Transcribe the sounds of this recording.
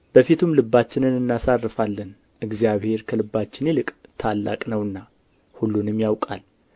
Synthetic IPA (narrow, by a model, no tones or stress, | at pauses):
b̥əfit̪ʰumlɨbːat͡ʃːɪnɨnɨnːasarːɨfalːən | ʔɨɡzijaβhe̞ɾkʰəlɨbːat͡ʃːɪnjelɨkʼt̪ʰalːa̰kʼnəwɨnːa | hulːunɨmjawkʼal